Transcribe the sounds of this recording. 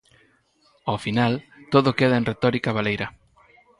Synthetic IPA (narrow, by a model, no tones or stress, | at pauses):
ofinal | t̪oðʊkeðɐẽnret̪ɔɾikaβalejɾɐ